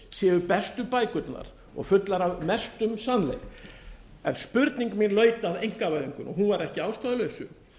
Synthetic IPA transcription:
sɛːʏpɛst̪ʏpaːjkʏt̪na̰ɾ̥ | ɔ̰ɣfʏt̪laɾavmɛst̪ʏmsanlḛjk | ɛnspʏɾt̪niŋkʏminlœːɥt̪aðejŋ̥kavaðʏŋkʏnɔɦunvaɾɛhcɪaːwst̪ɔðlœɥsʏ̰

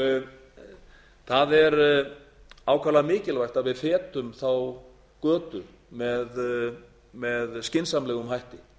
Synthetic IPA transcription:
θaðɛɾ | aːwkʰaːlamɪːcɪlvajr̥t̪aðvɪðfɛːt̪ʏmθaw | kœːt̪ʏ | mɛð | mɛðscɪnsamlɛːɣʏmhajht̪ɪ

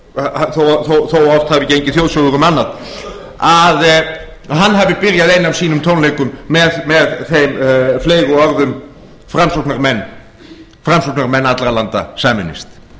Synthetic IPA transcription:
haθowθowθowɔft̪havɪcejɲcɪθjowðsɔwðʏɣʏmanːað | að | hanːɦavɪpɪɾjaðejnːavsiːnʏmt̪ʰownlejkʏmːɛðmɛðθejmfleːjɣʏɔɾðʏm | fɾamsɔknaɾmɛnː | fɾamsɔknaɾmɛnːat̪lɾalant̪a̰saːmɪ̰nɪ̰st̪

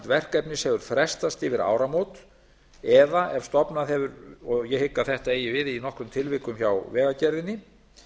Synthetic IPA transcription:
t̪vɛr̥kɛpnɪshɛɣʏɾ̥fɾɛst̪ast̪ɪvɪɾa̰ːwɾamowt̪ | ɛðaʔɛv̥st̪ɔpnaðɦɛvʏɾɔjɛhɪkːaθɛht̪aeːjɪvɪðinɔhkɾʏmt̪ʰɪlvɪkʏmçawvɛːɣacɛɾðɪnːɪ

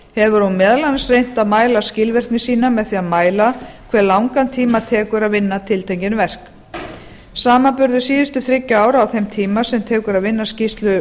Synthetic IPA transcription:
hɛvʏɾ̥hunmɛːðlansrejn̥t̪aðmaːjlascɪlvɛr̥knɪsiːnamɛðθiːaðmaːjlakʰv̥ɛːɾlawŋkant̪ʰiːmat̪ʰɛːkʏɾaðvɪnːat̪ʰɪlt̪ʰejɲcɪnvɛr̥k | saːmapʏɾðʏsiːðʏst̪ʏθɾɪcːaaːwɾawθejmt̪ʰiːmasɛmt̪ʰɛːkʏɾaðvɪnːascist̪lʏ

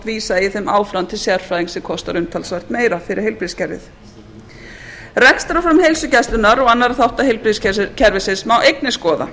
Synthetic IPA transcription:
t̪viːsaiθemaːwfɾawnt̪ʰɪlsjaɾ̥fɾaːjðiŋsɛmkʰɔst̪aɾʏmt̪ʰalsvajr̥t̪meːjɾafɪɾɪ̰ɾhelpɾiscɛɾvɪ̰θ | rɛkst̪ɾafɾamhejlsʏcɛst̪lʏnaɾɔɣanːaɾaθawht̪aɦelpɾiscʰɛɾvɪsɪsmawʔejknɪskɔːða̰

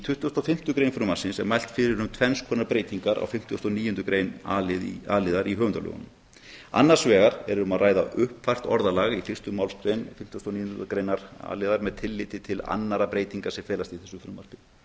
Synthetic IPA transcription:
it̪ʰʏht̪ʏɔst̪awfɪm̥t̪ʏkɾejnfɾʏːmḁsɪnsɛ̰ɾmajl̥t̪fɪɾɪɾʏmt̪ʰvɛnskʰɔːnaɾpɾeːjt̪iŋkaɾa̰wfɪm̥t̪ʏɔst̪ɔniːjʏnt̪ʏkɾejnalɪðaːlɪðaɾiɦœːvʏnt̪alʏ̰ɣʏ̰nʏm | a̰nːaɾ̥svɛːɣaɾɛɾʏmaðraːjða̰ʔʏhpfajr̥t̪ɔɾðalaːɣifɪ̥t̪ʏmawlst̪ɾejnfɪm̥t̪ːɔst̪awniːʏnkɾejnaɾ̥a̰ːlɪðaɾmɛðt̪ʰɪlːɪt̪ɪt̪ʰɪla̰nːaɾapɾeːjt̪iŋkḁsɛfɛːlast̪iθɛsːʏfɾʏːmar̥pɪ

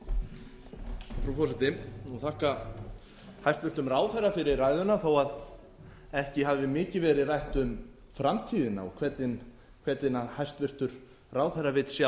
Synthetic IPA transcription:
afɾawfɔsɛt̪ɪnuθʰahka | hajst̪vɪɾt̪ʏmraːwθɛrːafɪɾɪɾrajðʏnaθawað | ɛhcɪɦavvɪmɪːcɪvɛːɾɪrajht̪ʏm | fɾamt̪ʰiːðɪna̰ɔkʰv̥ɛt̪nɪn | kʰvɛt̪nɪnaðhajst̪vɪr̥t̪ʏɾ̥ | raːwθɛrːavɪt̪sja

